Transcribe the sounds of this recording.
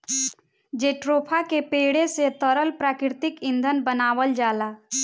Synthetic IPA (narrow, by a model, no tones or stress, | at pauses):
d͡ʒeːʈɾoːpʰakepeːɽeset̪əɾəlpɾaːkɾɪɾt̪ɪkɪ̃nd̪ʱənbənaːʋəld͡ʒaːlaː